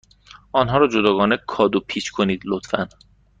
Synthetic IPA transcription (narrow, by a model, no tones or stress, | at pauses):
ɒːnɦɒːɾɒːd͡ʒod̪ɒːɡɒːnekʰɒːd̪opʰiːt͡ʃkʰoniːd̪lot̪fæn